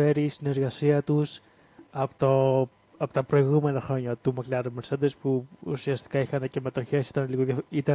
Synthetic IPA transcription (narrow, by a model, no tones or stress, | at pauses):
e̞ɾist̪ine̞ɾɣɐsiɐt̪us | ɐpt̪o | ɐpo̞t̪ɐpɾo̞iɣume̞nɐxɾo̞ɲɐt̪umɐklɐɾemeɾsɐnd̪espuṵsiɐst̪i̥kɐixɐnece̞me̞t̪o̞çe̞si̥t̪ɐnliɣoðɐit̪ɐ